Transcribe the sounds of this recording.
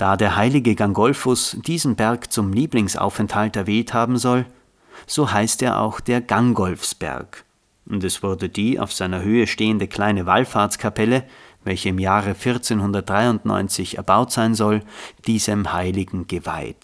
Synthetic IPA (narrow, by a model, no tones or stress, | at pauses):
d̥aːdeːɐhaɪlɪɡəɡaŋɡɔlfʊsd̥iːzn̩bɛɐkt͡sʊmliːplɪŋsʔa̰ʊfɛnthaltɛɐvɛːlthaːbm̩zɔl | z̥oːhaɪsteːɐʔa̰ʊxd̥eːɐɡaŋɡɔlfsb̥ɛ̰ɐk | ʔʊntɛsv̥ʊɐdədiːʔa̰ʊfz̥aɪnɐhøːəʃteːəndəkʰl̥aɪnəvalfaɐt͡skʰapʰɛləvɛlçəɪmjaːʁəfɪɐt͡seːnhʊndɐt̚d̥ʁaɪʊntnɔ̰ʏnt͡sɪçɛ̰ɐbaʊtz̥aɪnzɔld̥iːzəmhaɪlɪɡŋ̩ɡ̥əva̰ɪt